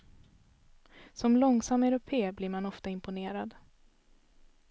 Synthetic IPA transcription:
sɔmlɔŋsamːɛɾʊpʰeːbliɾmanɔft̪aɪmpʊneːɾad̪

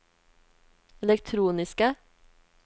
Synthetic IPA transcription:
ɛlɛk̚t̪ʰɾuːnɪskə

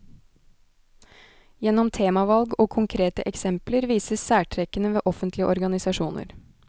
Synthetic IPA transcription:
jɛnːɔmt̪ʰeːmɑʋɑlɡoːkʰʊŋkʰɾeːt̪ə̰ʔɛksɛmpləɾʋiːsəssæːʈʰɾɛkənəʋeːʔɔfənt̪lɪə̰ʔɔɾɡɑnɪsɑʂuːnə̰ɾ

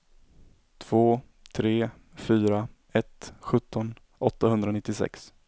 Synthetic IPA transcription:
t̪ʰv̥oː | t̪ʰɾeː | fyːɾa | ɛt̪ɧɵt̪ːɔn | ʔɔt̪ːahɵnd̪ɾanɪt̪ːɪsɛ̰ks

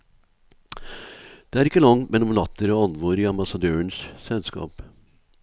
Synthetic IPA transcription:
d̪̥eːæɾɪkːəlɑŋmʔɛnɔmnɑt̪ʰːəɾɔɑnʋoːɾɪɑmbɑsɑd̪øːənssɛlskɑ̰ːp

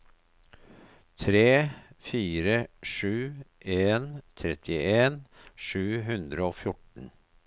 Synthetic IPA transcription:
t̪ʰɾeːfiːɾəʂʉːʔeːnt̪ʰɾɛt̪ʰɪʔeːnʂʉːɦʉnd̪ɾəoːfjʊʈɳ̩

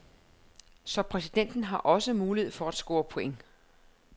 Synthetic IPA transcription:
sɒ̽pʰʁɛsid̥en̰d̥n̩ɦɑ̈ʔɒ̽səmuːlihe̝ð̞̰ˠfɒ̽æd̥sɡ̥o̝ːɐpʰo̝eŋ

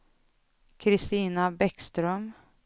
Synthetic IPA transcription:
kʰɾɪst̪iːnabɛkst̪ɾœm

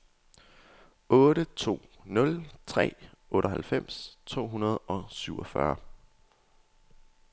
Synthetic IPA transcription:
ɔ̽ːɾət͡sʰo̝̰ː | nɔ̽lt͡sʰʁɛ̰ːɔ̽ːɾəɦælfem̰st͡sʰo̝̰ːɦunɐð̞ˠɒ̽syʊ̰ɒfɶ̰ɐ

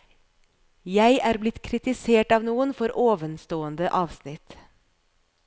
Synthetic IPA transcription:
jæɪʔæːɾblɪt̪kʰɾɪt̪ɪseːʈɑːʋnuːənfɔɾoːʋənst̪oːənd̪əʔɑːʋsnɪt̪

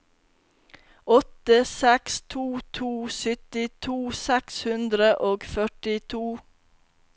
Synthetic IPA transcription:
ɔt̪əsɛkst̪ʰuːt̪ʰuːsʏt̪ɪt̪ʰuːsɛkshʉnd̪ɾəʔoːɡfœʈɪt̪ʰuː

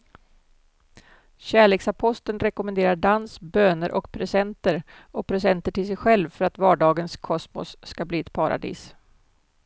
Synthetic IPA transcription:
ɕæːɭeːksapʰɔst̪ənɾɛkʊmɛnd̪eːɾaɖansbøːnəɾʔɔkpʰɾɛsɛnt̪əɾ | ɔpʰɾɛsɛnt̪əʈʰɪlsɛjɧɛlvfœɾat̪vɑːɖɑːɡənskʰɔsmɔ̰sːkabliːɛt̪̚pʰaɾa̰d̪ḭːs

